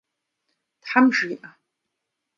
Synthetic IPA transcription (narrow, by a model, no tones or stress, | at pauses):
d̥ħamʒiʔa